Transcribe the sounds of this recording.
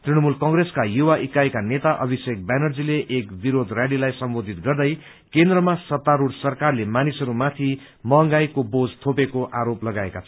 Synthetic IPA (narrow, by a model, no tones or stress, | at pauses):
t̪riñʌmulkʌŋɡreskajuwaʔikaekanet̪aʔʌbʱisek̚banʌrd͡zileʔekbiɾod̪rjaɽilajsʌmbod̪ʱit̪ɡʌrd̪ʌj | kend̪rʌmasʌt̪ːaɾuɽsʌrkarlemanisʌɾumat̪ʰi | mʌʌŋɡajkobod͡zt̪ʰopekoʔaɾoplʌɡaekat͡sʰʌ